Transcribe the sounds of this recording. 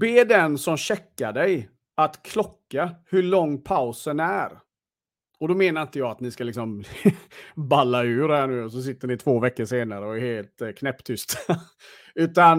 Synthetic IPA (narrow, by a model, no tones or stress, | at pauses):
beːd̪ɛnsɔmɕɛkːaɖɛj | at̪kʰlɔkːahɵɭɔŋːpʰaʊsənæɾ | ɔd̪ɔmeːnaɾɪnt̪əjɑːat̪nɪskalɪksɔm | balːaʉ̟ːɾhæɳʉ̟ːɔs̬ɔs̬ɪt̪ːəɳɪt̪ʰvoːvɛkːəʂeːnaɾəɔɛɾheːlt̪kʰnɛpːt̪ʰʏst̪a | ʉ̟ːt̪an